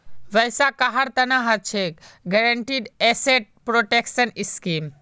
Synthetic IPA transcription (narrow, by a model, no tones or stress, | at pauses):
ʋəjsakaɦaɾt̪ɐnaɦat͡ʃʰekɡɛɾəɳʈiɖɛseʈ̚pɾoʈeksɐniskim